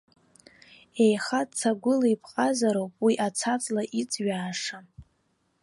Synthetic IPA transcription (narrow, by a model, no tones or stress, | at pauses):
e̞jχatt͡sʰaɡʷʊlaipʰqʼazaɾowpʼwiʔat͡sʰat͡sʼlaʔit͡sʼɥaːʂa